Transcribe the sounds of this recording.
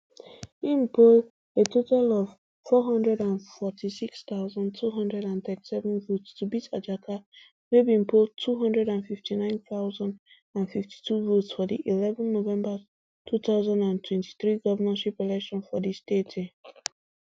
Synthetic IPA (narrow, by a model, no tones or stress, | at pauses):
ĩmpʰol | etʰotalɔv̥ | fɔɦʌ̃ndɹɛdãnfɔtʰisikst̪aʊzɔ̃ntʰuɦʌ̃ndɹɛɾãnθɛti̥sɛvə̃nvotstubitad͡ʒakʰa | webĩmpoltʰuɦʌ̃ndɹɛdãnfiftʰinãɪ̃nθaʊzãn | ãnfifti̥tʰuvotsfɔdḭʔilɛvɔ̃nːovɛ̃mba | tʰuθaʊzãndãntʰwɛ̃nti̥θɹiɡɔvənaʃipɛlɛkʃɔ̃nfɔdistetʰe